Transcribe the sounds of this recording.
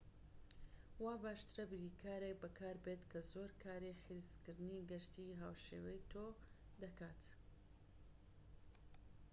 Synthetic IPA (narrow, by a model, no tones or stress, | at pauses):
waːbaːʃt̪ɨɾɐbɨɾiːkʰaːɾekbɐkʰaːɾbet̪kʰɐzoːɾkʰaːɾiħizkɨɾd̪ɨniːɡɐʃt̪iːɦaːwʃeːwɛjt̪ʰo | d̪ɐkaːt̪